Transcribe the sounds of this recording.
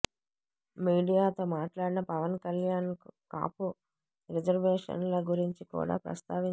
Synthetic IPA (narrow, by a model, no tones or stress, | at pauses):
miːɖijaːt̪o̞ːmaːʈlaːɽinɐpɐʋɐnkɐljaːnka̰ːpu | ɾid͡ʒɐɾʋeːʂɐ̰nlɐɡuɾiɲt͡ʃikṵːɽa̰ːpɾɐ̰st̪aːʋiɲ